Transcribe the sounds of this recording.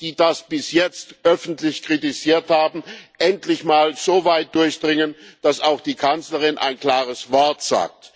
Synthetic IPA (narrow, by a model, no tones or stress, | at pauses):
d̥iːdasb̥ɪsjɛt͡stʔœfn̩tlɪçkʁ̥itɪziːɐthaːbm̩ʔɛntlɪçmaːlz̥oːvaɪt̚d̥ʊɐçd̥ʁɪŋənd̥asaʊxd̥iːkʰant͡sləʁɪnʔa̰ɪnkl̥aːʁəsv̥ɔɐtz̥a̰ːk̚t